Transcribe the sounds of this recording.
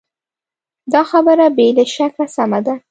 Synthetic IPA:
d̪ɑxabəɾabelaʃakasamad̪a

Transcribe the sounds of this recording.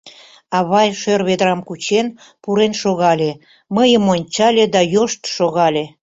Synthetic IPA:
ɑβɑjʃørβed̪ɾɑmkut͡ɕen | puɾenʃoɣɑlʲe | məjəmonʲt͡ɕɑlʲed̪ɑjoʃt̪ʃoɣɑlʲe

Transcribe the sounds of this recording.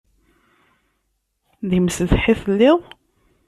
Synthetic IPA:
ðimsəðħiθəlːɪðˤ

